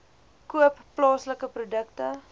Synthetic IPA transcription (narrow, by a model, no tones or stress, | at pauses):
kuəpːlɑːsləkəprudəktə